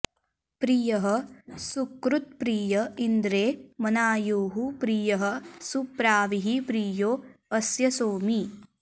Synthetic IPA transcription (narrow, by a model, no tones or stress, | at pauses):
pɾijɐɦɐsukɾut̪̚pɾiːjɐind̪ɾeːmɐnaːjoːɦupɾiːjɐɦɐsupɾaːʋiɦipɾiːjoːɐsjɐsoːmi